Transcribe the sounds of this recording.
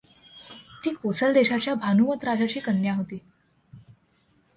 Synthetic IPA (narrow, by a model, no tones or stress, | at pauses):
t̪iːkosəld̪eɕat͡ɕjabʱanumət̪ɾad͡ʑat͡ɕiːkənjaɦot̪iː